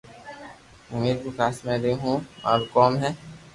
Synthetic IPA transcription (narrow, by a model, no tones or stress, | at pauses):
ʊmiːɾkokʰaːsmɛ̃ɾeɦũma̰ːɾkɔːmɦɛː